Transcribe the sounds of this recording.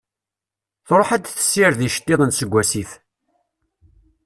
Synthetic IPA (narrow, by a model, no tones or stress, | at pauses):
θɾˤoħad̪θə̥sːiɾðiʃə̥t̪ːɪðˤənt̪səɡʷːæsiθ